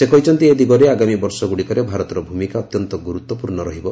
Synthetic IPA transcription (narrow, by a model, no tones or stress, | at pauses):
sekɔɦit͡ʃʰɔnt̪ied̪iɡɔɾeaɡamibɔɾsɔɡuɽikɔɾebʱaɾɔt̪ɔɾɔbʱumikaɔt̪jɔnt̪ɔɡuɾut̪wɔpuɾɳɔɾɔɦibɔ